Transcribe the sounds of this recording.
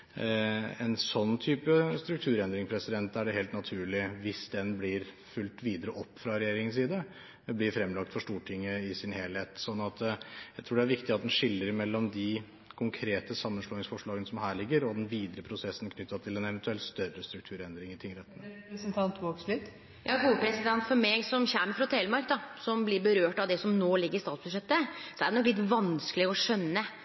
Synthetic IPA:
ɛ̰nsɔnːt̪ʰyːpəst̪ɾʉk̚t̪ʰʉːɾɛnd̪ɾɪŋpʰɾɛsɪd̪ɛnt̪ːæɖɛheːlt̪nɑt̪ʰʉːɭɪʋɪsd̪ɛnblɪɾ | fʉlt̪ʋiːd̪əɾəʔɔpːfɾɑɾɛjeːɾɪŋənsiːd̪ə | blɪɾfɾɛmːlɑk̚t̪fɔʂʈuːʈʰɪŋːəɪsɪnheːlheːt̪sɔnːɑt̪jæɪt̪ʰɾuːɖɛæɾʋɪkt̪ɪɑt̪d̪ɛnʂɪlːəɾɪmɛlːɔmd̪ɪ | kʰʊŋkʰɾeːt̪əsɑmːənʂloːnɪŋsfɔʂɭɑːɡənəsɔmɦæːɾɭɪɡːəɾɔd̪ɛnʋiːd̪əɾəpʰɾʊsɛsːn̩kʰnʏt̪ːɑt̪ʰɪlɛnɛʋɛnt̪ʉɛlt̪st̪œrəst̪ɾʉkt̪ʰʉːɾɛnd̪ɾɪŋɪənt̪ʰɪŋɾɛt̪ːənsnt̪ʰɑnt̪ʋoːkslɪt̪ | jʔɑːɡuːəpʰɾɛsɪd̪ɛnt̪fɔɾmeːɡsɔmçæməfɾɑt̪ʰɛlmɑɾktd̪ɑsɔmblɪɾbəɾøːʈɑʋd̪ɛsɔmnoːlɪɡːəɾɪst̪ɑːt̪sbʉʂɛt̪ːəsɔæɖɛnɔklɪt̪ʋɑnsklɪɡəɔʂœnːə

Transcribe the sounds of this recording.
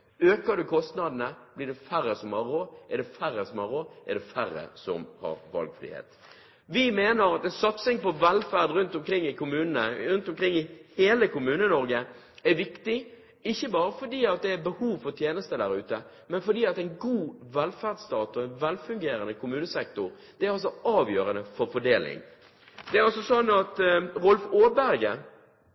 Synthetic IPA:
øːkəd̪ʉkʰɔst̪nɑd̪ənəb̥lɪɖ̪ɛfæɾəsɔmhɑɾoːʔɛɖ̪ɛfæɾːəsɔmhɑɾoːʔæ̰ɖ̪ɛfæɾːə̰sɔ̰mhɑ̰ɾʋɑ̰lɡfɾḭːhḛːt̪ | ʋɪmeːnəɾɑt̪ɛnsɑt̪sɪŋpɔʋɛlfæʁd̪ɾʉnt̪ɔmkʰɾɪŋːɪkʰʊmʉːnənəɾʉnt̪ɔmkʰɾɪŋːɪheːləkʰʊmʉːnənɔɾɡə | æɾʋɪkt̪ɪ | ɪçːəbɑːɾəfɔɖiːɑt̪̚d̪ɛæɾbəhuːʋfɔɾt̪ʰjeːnəst̪əd̪æɾʉ̰ːt̪ə | mɛnfɔɖiːɑt̪ɛɪnɡuːʋɛlfæʁdst̪ɑːt̪ɔɛnʋɛlfʉŋɡeːɾənəkʰʊmʉːnəsɛk̚t̪ʊɾ | d̪̥ɛæɾɑls̬ɔɑːʋjøːɾənəfɔɾfɔɖeːlɪ̰ŋ | d̪ɛæɾɑlsɔsɔnːɑt̪ʁʊlfoːbæɾɡə

